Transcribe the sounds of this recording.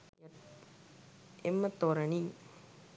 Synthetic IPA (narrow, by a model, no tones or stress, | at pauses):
emːɐt̪ːoɾɐni